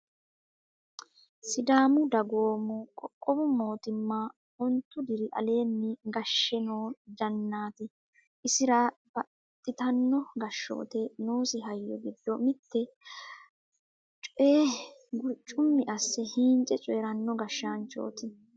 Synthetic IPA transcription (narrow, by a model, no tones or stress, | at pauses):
sɪd̪aːmʊd̪ɐɡo̞ːmʊkʼɔkʼːɔbʊmo̞ːt̪ɪmːɐ | ɔnt̪ːʊd̪ɪɾɪʔɐ̰le̞ːnːɪɡɐʃːɛnoːd̪ɐnːaːt̪ɪ | ʔɪsɪɾɐb̥ɐ | t̪ʼːɪt̪ɐnːɔɡɐʃːo̰ːt̪ɛnoːsɪɦɐjːɔ̰ɡɪd̪ːɔmɪt̪ːɛ | t͡ʃʼɔʔeːɡʊɾt͡ʃʼːʊmːɪʔɐsːɛhiːnt͡ʃʼɛt͡ʃʼɔɛɾɐnːɔɡɐʃːant͡ʃʼo̰ːt̪ɪ